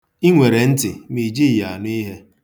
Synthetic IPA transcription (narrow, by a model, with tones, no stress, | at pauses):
i˦ŋʷe˨ɾe˨n̩˦tɪ˨mi˨d͡ʒi˦i˨a˨n˦i˦ɦe˦